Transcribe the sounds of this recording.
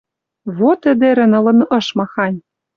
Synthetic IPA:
βot̪ə̆d̪eɾɘ̆nɤ̆lɤ̆nʔɤ̆ʃmɑxɑnʲ

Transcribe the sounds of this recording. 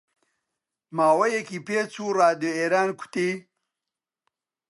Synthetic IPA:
maːwɐjekipeːt͡sʰuːɾaːd̪oeɾaːnkʰu̥t̪i

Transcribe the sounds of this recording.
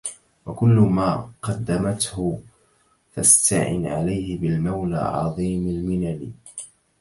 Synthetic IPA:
wakʊlːʊmaːqɑd̪ːamat̪hʊ | fast̪aʕɪ̰nʕa̰lajhɪbɪlmawla̰ːʕɑ̰ðˤiːmalmɪnali

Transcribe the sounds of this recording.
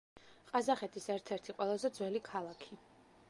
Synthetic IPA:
qʼazaχɛt̪ʰisɛɾt̪ʰɛɾt̪ʰiqʼwɛlˠazɛd̪zwɛlikʰalˠakʰi

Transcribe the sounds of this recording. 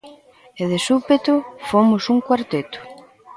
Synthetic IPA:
eðesupet̪ʊfomʊsuŋkwaɾt̪et̪ʊ̥

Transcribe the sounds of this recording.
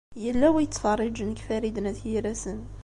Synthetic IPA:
jəlːæwæjət͡s̪ːfɑrˤːid͡ʒnəkfæɾid̪næt̪jiɾæsən

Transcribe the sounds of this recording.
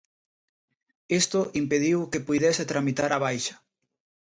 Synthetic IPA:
est̪oʔimpeðiwkepujðɛset̪ɾamit̪aɾaβajʃɐ̥

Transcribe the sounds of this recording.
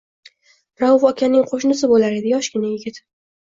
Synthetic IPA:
ɾawʊfɒkʲʰanɪŋqʰoʃnɪs̬ɪbolaɾe̞d̪ɪjɒʃɡʲɪnajɪɡʲɪt̪

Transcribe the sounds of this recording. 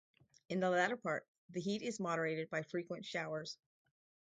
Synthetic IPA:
ɨ̃nðəlæɾə˞pʰɑɹt̪̚ | ðɨɦiɾɪzmɑɾə˞eɪɾɨd̚baɪfɹikwə̃ntʃaʊə˞z̥

